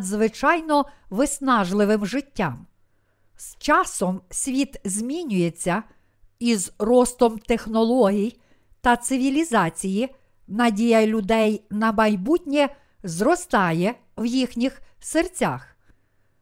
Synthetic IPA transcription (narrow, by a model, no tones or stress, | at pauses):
zʋɪt͡ʃɑjnɔʋɪsnɑʒlˠɪʋɪmʒɪtʲːɑm | st͡ʃɑsɔmsʲʋʲit̪zʲmʲinʲʊjet͡sʲːɐ | izrɔst̪ɔmt̪exnɔlˠɔɦʲij | t̪ɐt̪sɪʋʲilʲizɑt͡sʲiji | nɐdʲijɐlʲʊd̪ɛjnɐmɐjbutʲnʲɛ | zrɔst̪ɑjɛ | wjixnʲixsert͡sʲax